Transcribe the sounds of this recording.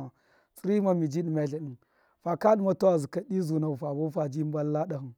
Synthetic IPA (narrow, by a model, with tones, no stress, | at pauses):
a˨ | si˦ɾi˦ma˦mi˨d͡ʒi˦ɗi˨ma˨ɬa˨ɗi˨n | fa˨ka˦ɗi˦ma˦to˦a˨zi˨ka˦ɗi˦zu˨na˨u˨fa˨bo˦fa˨d͡ʒi˦m˦ba˦lla˦da˨hu˨n